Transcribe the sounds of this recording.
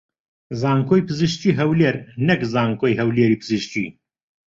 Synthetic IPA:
zaːŋkʰoːjpɨzɨʃciːɦɐwleːɾnɐkzaːŋkoːjɦɐwleːɾiːpʰɨzɨʃcḭ

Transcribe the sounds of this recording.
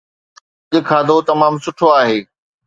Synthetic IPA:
ʄɪkʰaːd̪ot̪ɐmaːmsʊʈʰoaːɦeː

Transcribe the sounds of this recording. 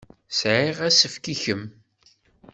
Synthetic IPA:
sʕiʁæsəfkiçəm

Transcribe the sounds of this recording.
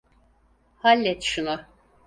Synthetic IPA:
halʲːɛt̪ʃunʊ

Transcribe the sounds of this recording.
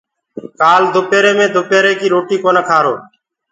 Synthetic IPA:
kaːld̪ʱʊpeːɾeːmẽːd̪ʱʊpeːɾeːkiːɾoːʈiːkoːnəkʰaːɾo̰ː

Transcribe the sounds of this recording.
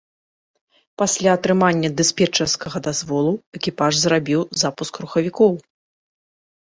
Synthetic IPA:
pasʲlʲaɐt̪ɾɨmanʲːɐd̪ɨspʲɛt͡ʂɐrskɐɣɐd̪azvɔlˠuɛkʲipaʐzrabʲiwzapuskɾuxɐvʲikɔw

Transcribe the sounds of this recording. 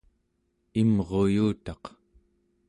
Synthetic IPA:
imʁo̞juːt̪ɑq

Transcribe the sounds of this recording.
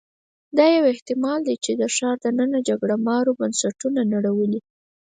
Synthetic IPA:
d̪ɑjaweht̪ɪmɑld̪et͡ʃed̪əʃɑɾd̪ənənad͡ʒaɡɽamɑɾobansaʈunanaɽawəli

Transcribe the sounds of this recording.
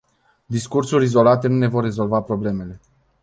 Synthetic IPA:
d̪iskursuɾʲizo̞lat̪e̞nune̞vo̞rːe̞zo̞lvapɾo̞ble̞me̞le̞

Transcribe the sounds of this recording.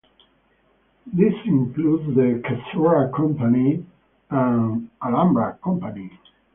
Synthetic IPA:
ðɪsĩŋklud̪zðəkʰasɔɹakʰɔ̃mpani | ə̃nalãmbɹakʰɔ̃mpani

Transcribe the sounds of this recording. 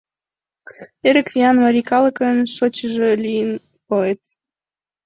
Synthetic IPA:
eɾə̆kviɑnmɑɾʲikɑləkənʃot͡ɕəʒelʲijən | koet̪

